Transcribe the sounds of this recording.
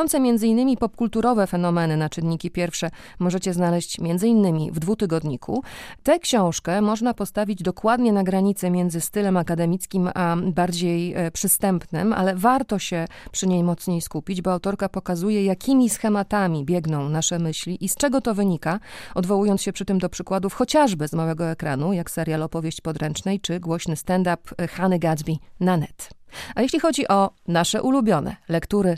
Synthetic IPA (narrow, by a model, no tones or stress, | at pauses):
ɔnsɛmʲjɛndzɘinːɘmʲipɔp̚kult̪uɾɔvɛfɛn̪ɔmɛnɘnat͡ʂɘnːikʲipʲjɛɾfʂɛ | mɔʐɛt͡ɕɛznalɛɕt͡ɕmʲjɛnd̪zɘinːɘmʲḭvd̪vut̪ɘɡɔd̪ɲikʰṵt̪ɛkɕɔ̃w̃ʂkɛmɔʐnapɔst̪avʲid͡ʑd̪ɔkwad̪ɲɛnaɡɾaɲit̪sɛmʲjɛnd̪zɘst̪ɘlɛmakad̪ɛmʲit̪skʲimabaɾd͡ʑejpʂɘst̪ɛmpnɘ̰ma̰lɛvaɾt̪ɔɕɛpʂɘɲejmɔt̪sɲejskupʲid͡ʑbɔawt̪ɔɾkapɔkazujɛjakʲʰimʲisxɛmat̪amʲibʲjɛɡnɔ̃w̃naʂɛmɘɕlʲiʔist͡ʂɛɡɔt̪ɔvɘɲikaɔd̪vɔwujɔnt̪sɕɛpʂɘt̪ɘmd̪ɔpʂɘkwad̪ufxɔt͡ɕaʐbɘzmawɛɡɔɛkɾanujaksɛɾjalɔpɔvʲjeɕt͡ɕpɔd̪ɾɛnt͡ʂnɛjt͡ʂɘɡwɔɕnɘst̪ɛnd̪apxanɘɡazbʲinanɛt̪ajeɕlʲixɔd͡ʑiʔɔnaʂɛʔulubʲjɔnɛ̰lɛkt̪uɾɘ